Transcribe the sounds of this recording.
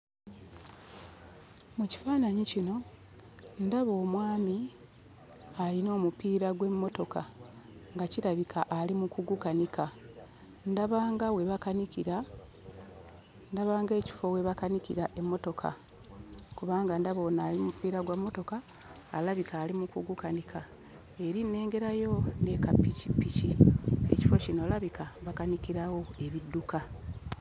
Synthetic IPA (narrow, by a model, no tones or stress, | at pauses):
muci̥faːnaɲicino̞ | ndaβo̞ːmwaːmi | alino̞ːmupiːɾaɡwe̞mːo̞to̞ka̰ŋɡaciɾaβikʰaʔːlimukuɡukanikʰa | ndaβaːŋɡawe̞βakanikiɾa | ndaβaːŋɡe̞ːci̥fo̞we̞βakanikḭɾaʔe̞mːo̞to̞kʰa̰ | kuβaːŋɡandaβo̞naːlimupiːɾaɡwamːo̞to̞kaːlaβikaːlimukuɡukanikʰa | e̞ɾinːe̞ːŋɡe̞ɾajo̞ne̞kapːicipːicie̞̰ci̥fo̞cino̞laβikʰaβakanikiɾawo̞e̞βidːuka